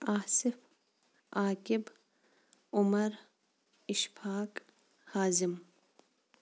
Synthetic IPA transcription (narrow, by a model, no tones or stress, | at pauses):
aːsɪf | aːkɪb | ʊmɐɾ | ɪʃfaːk | haːzim